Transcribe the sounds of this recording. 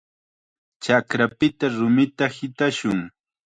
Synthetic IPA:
t͡ʃakɾapɪt̪aɾʊmɪt̪ahɪt̪aʃʊŋ

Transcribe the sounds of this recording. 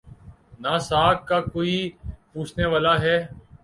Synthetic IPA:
naːsaːkkakoːipuːt͡ʃʰneːʋaːlaːɦɛː

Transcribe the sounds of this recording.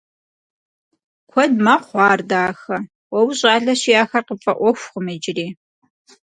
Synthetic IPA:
kʷʰɔdmɐχʷɑːrdaːxɐ | wɔwɕʼɑːɮɐɕijaːxɐrqəpʼɐʔʷɔxʷxʊmɐd͡ʒɪriː

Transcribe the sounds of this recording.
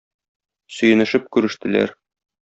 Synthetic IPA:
sɵ̆jɘ̆nɘ̆ʃɘp̚kʉɾɘ̆ʃt̪ɘ̆læ̰ɾ

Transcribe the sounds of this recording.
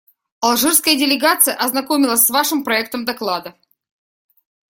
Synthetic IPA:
ɐlˠʐɨrskəjədʲɪlʲɪɡat̪sɨjəʔɐznɐkomʲɪlˠəsʲsvaʂɨmpɾɐɛk̚t̪əmd̪ɐklˠad̪ə

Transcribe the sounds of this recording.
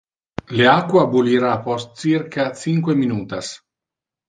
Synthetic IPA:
leakːwabuliɾapɔst̪̚sirkat͡siŋkweminuːt̪as

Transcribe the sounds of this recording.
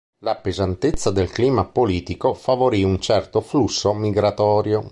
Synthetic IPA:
lapezant̪et̪sːad̪elkliːmapoliːt̪ikofavoɾiunt͡ʃɛrt̪oflusːomiɡɾat̪ɔːɾjo

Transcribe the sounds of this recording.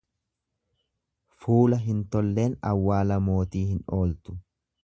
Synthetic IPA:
fuːlɐɦɪnt̪ɔlːe̞ːnɐwːaːlɐmo̞ːt̪iːhɪno̞ːlt̪ʊ̥

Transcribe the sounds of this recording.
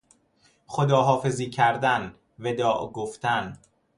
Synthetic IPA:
xod̪ɒːɦɒːfe̞ziːcʰæɾd̪æn | ved̪ɒːʔɡoft̪ʰæn

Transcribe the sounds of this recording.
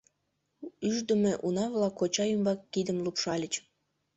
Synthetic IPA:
yʒd̪ə̆meʔunɑβlɑkːot͡ɕɑymbɑkːid̪əmlupʃɑlʲət͡ɕ

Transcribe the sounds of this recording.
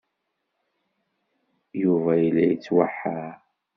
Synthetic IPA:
juvæjlːæjət͡sːwaħːa

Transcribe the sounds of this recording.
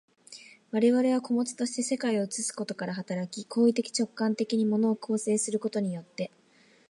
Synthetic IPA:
βaɾe̞βaɾe̞β̞ako̞mo̞t͡sɨ̥t̪o̞ɕi̥t̪e̞se̞kaio̞ɯt͡sɨsɨ̥ko̞t̪o̞kaɾaɦat̪aɾakʲikʰo̞ːit̪e̞kʲi̥t͡ɕo̞kːãnt̪e̞kʲiɲ̟imo̞no̞ːkʰo̞ːse̞ːsɨɾɯ̟ko̞t̪o̞ɲ̟ijo̞t̪ːe̞

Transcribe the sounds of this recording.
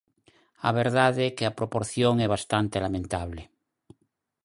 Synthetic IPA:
a̰βeɾðaðekeapɾopoɾθjoŋeβ̞ast̪ant̪elamẽnt̪aβ̞le

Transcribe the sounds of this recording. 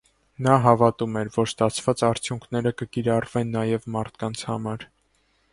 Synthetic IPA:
nɑɦɑvɑt̪umɛɾvɔɾst̪ɑt͡sʰv̥ɑt͡sɑɾt͡sʰjuŋkʰnɛɾəkəkiɾɑrvɛnːɑjɛvmɑɾt̪ʰkɑnt͡sʰhɑ̰mɑɾ

